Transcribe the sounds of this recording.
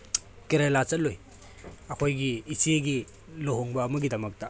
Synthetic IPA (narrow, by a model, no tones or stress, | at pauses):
keɾelat͡ʃɐloj | ɐkʰojɡiːsieɡi | loɦoŋbɐːmɐɡidɐmɐk̚tɐ